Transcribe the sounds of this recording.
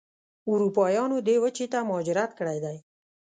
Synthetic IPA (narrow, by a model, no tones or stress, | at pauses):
uɾupɑjɑnod̪ewət͡ʃet̪amːd͡ʒɪɾat̪̚kəɽajd̪aj